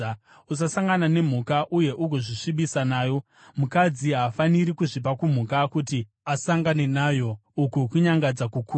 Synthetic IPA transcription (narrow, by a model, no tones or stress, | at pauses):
us̬asaŋɡanane̞m̤ukaʔuje̞ʔuɡʱoʐiʂiɓisanaːjo̞ | mukad͡ziɦaːfaniɾikuʐip̬akum̤ukakuti | asaŋɡane̞naːjo̞ukukuɲaŋɡad͡zakuku